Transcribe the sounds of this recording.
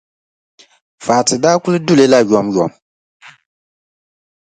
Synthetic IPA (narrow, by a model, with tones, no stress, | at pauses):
faː˨tɨ˨daː˦kʊ˦lɨ˦du˦le˦la˦˨jɔ˨˦mjɔ˨m